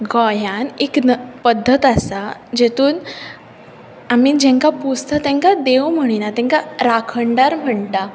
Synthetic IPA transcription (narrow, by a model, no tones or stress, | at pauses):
ɡɔjaneknpəd̪ʱːət̪asad͡ʑet̪uːn | amiːd͡ʑɛ̃ŋkapust̪ət̪ɛ̃ŋkad̪ewm̤əɽ̃inat̪ɛ̃ŋkaɾakʰəɳɖaɾm̤əɳt̪a